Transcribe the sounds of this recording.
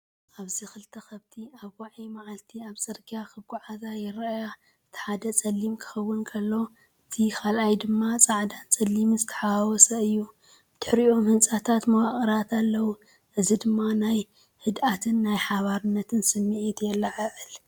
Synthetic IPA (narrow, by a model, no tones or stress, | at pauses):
ʔaβzixɨlt̪ʰɐxɐβt̪ʰiaβwaʕimaʕalt̪ʰiaβt͡sʼɨɾɡijakʰɨɡuʕazajɪɾɐja | ɨt̪ʰi̥ħad̪ɐt͡sʼɐlːimkʰɨ̥xɐwːʊnkʰɐlːo̞ | ɨt̪ʰikʰalʔajd̪ɨmːat͡sʼaʕd̪ant͡sʼɐlːimɨzɨt̪ʰɐ̥ħawɔsɐɨjːu | ɨt̪ʰɨħɾiʔo̞mhɨnt͡sʼat̪ʰat̪mɐwaχʼɨɾat̪ʰalːɐwu | ʔɨzid̪ɨmːanaj | hɨd̪ʔat̪ʰɨnːajħaβaɾɨnːɐt̪ʰɨnsɨmːiʔit̪jɛlːaʕɨʕɨl